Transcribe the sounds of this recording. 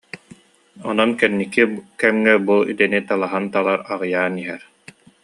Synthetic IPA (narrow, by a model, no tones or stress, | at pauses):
ɔ̰nɔnkɛnːikikɛmŋɛbuḭt̪ɛnit̪alˠaɦant̪alˠaɾaʁɯjaːniɦɛɾ